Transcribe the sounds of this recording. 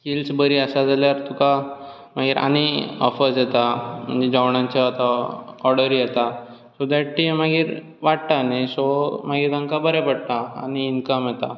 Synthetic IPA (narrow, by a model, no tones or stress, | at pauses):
kilsbəɾiəsad͡zaljaɾt̪uka | m̤aɡiːɾʔa̰ɽ̃iɔ̰fəsjet̪am̤ə̰ɳd͡zed͡ʑaʋɳãɲt͡ɕaat̪aɔɾɽəɾijet̪a | sɔd̪aʈʈimaɡiːɾ | ʋaɽt̪anesɔmaɡiːɾt̪ãŋkabəɾepəɽ̚t̪a̰ːñiːnkəmjet̪a̰